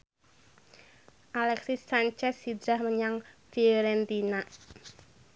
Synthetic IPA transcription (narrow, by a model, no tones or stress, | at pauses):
ʔalɛksisːaɲt͡ʃɛsːid̪ɾahməɲaŋfiɾɛnt̪ina